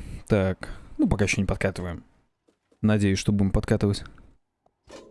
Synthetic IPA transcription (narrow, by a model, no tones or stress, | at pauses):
t̪aknupɐkajɪɕːonʲɪpɐt̪̚kat̪ɨvəjɪm | nɐdʲejʉsʲʂt̪obudʲɪmpɐt̪kat̪ɨvətʲ